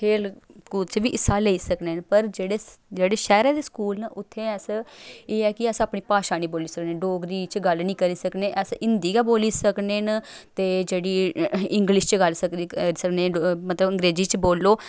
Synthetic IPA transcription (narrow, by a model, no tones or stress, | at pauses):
kʰeːlkuːlt͡ʃʋiːʔɪsaːleiːsəkneːnpəɾd͡ʒeːɽeːd͡ʒeːɽeːʃɛːɾãːd̪eːskuːlnaʔʊt̪ʰːeːɛːseːɛːkɪɛːsaːpniːpaːʃaːniːboːliːsəkneːɖoːɡɾiːt͡ʃɡəlnĩːkəɾiːsəkneːʔɛːsɪnd̪iːɡaːboːliːsəkneːnt̪eːd͡ʒeːɽiːɪŋɡlɪʃt͡ʃɡəlsəkiɾisəkneːmət̪ləbəŋɡɾeːziːt͡ʃboːlːoː